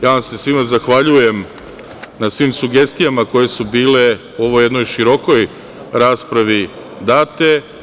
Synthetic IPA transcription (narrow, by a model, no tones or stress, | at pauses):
jaːʋamse̞sʋimazaxʋaʎuje̞m | nasʋiːmsuɡe̞st̪ijamako̞je̞subiːle̞ | uo̞ʋo̞je̞d̪no̞jʃiɾo̞ko̞j | ɾaːspɾaʋi | d̪aːt̪e̞